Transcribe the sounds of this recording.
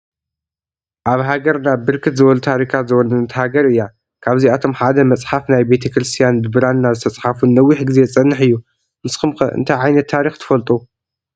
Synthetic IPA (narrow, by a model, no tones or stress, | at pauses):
ʔaβɦaɡɐɾnabɨɾkʰɨt̪zɨβɐlut̪ʰaɾikʰat̪zɨwɔnɐnɐt̪haɡɐɾɨjːa | kʰaβziat̪ʰo̞mħad̪ɐmɐt͡sʼħafnajbe̞t̪ʰɐkɾɨst̪ʰijanbɨbɨɾanːazɨt̪ʰɐt͡sʼħafunːɐwːiħɡɨze̞t͡sʼɐnːɨħɨjːu | mɨsxɨmxɐ̰ʔɨ̰nt̪ʰajʕajnɐt̪ʰːaɾixt̪ʰɨ̥fɐlt̪ʼu